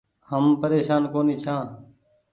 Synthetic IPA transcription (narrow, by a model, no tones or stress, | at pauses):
həmpəɾeːʃaːnkoːniːt͡ʃʰãː